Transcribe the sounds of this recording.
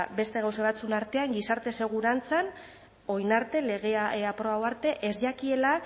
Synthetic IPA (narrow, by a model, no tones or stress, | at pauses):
be̞st̪e̞ɣ̞awsoβat͡suenaɾt̪e̞aŋɡisaɾt̪e̞se̞ɣ̞uɾant͡san | o̞jnaɾt̪e̞le̞ɣ̞eapɾoβawaɾt̪e̞ʔezʎakie̞la